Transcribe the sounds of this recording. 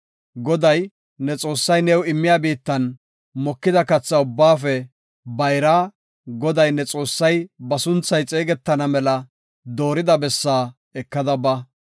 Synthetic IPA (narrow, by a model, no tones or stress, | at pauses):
ɡɔd̪ɐj | nɛt͡sʼo̞ːsːɐjnɛwɪmːɪjaːbiːt̪ːɐn | mɔkːɪd̪ɐkɐt͡sːɐʊbːaːfɛ | bɐjɾaː | ɡɔd̪ɐjnɛt͡sʼo̞ːsːɐjbɐsʊnt͡sːɐjt͡sʼeːɡɛt̪ːɐnɐmɛlɐ | d̪o̞ːɾɪd̪ɐbɛsːaː | ɛkːɐd̪ɐbɐ